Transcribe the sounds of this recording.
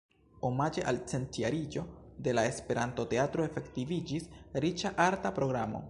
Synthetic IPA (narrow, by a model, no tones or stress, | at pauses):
o̞mad͡ʒe̞ʔalt͡se̞ntiaɾid͡ʒo̞de̞lae̞spe̞ɾanto̞te̞atɾoefe̞ktivid͡ʒisɾit͡ʃaʔaɾtapɾo̞ɡɾamo̞̰